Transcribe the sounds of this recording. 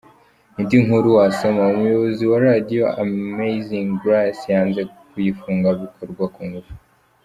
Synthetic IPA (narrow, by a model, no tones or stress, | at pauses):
nindiŋhuɾuwasomaumujoβoziwaɾadijoʔameziŋɡɾasjaːnze̞ | kujifuːŋɡaβikʰoɾɡwakuŋɡuvu̥